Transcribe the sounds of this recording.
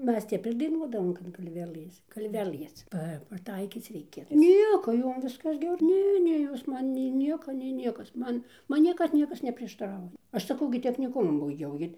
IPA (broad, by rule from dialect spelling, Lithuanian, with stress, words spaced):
ˈmʲɛs ˈtʲɛp ɪr dɐɪˈnuɔdɐʋoːm kɐt ɡɐlʲˈʋʲæːlˠɘs ɡɐlʲˈʋʲæːlˠɘs ˈpɐ pɐˈtɐɪkʲiːt͡s ˈrʲɛɪkʲɛ ˈnʲiɛkoː ˈjoːm ˈʋʲɪskɐs ˈɡʲɛr ˈnʲɛ ˈnʲɛ ˈjoːs ˈmɐn nʲɛɪ ˈnʲiɛkɐ nʲɛɪ ˈnʲiɛkɐs ˈmɐn ˈmɐn ˈnʲiɛkɐt ˈnʲiɛkɐs nʲɛpʲrʲiɛʃtɐˈrɐʊjɛ ˈɐʃ sɐˈkɐʊ ɡʲɪ tʲɛxʲnʲɪˈkʊmʊ bɐɪˈɡʲɛʊ ˈɡʲɪ